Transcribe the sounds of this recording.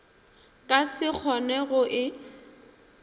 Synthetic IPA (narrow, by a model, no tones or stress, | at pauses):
kʼasɪk͡xʰɔnɛɣʊʔɪ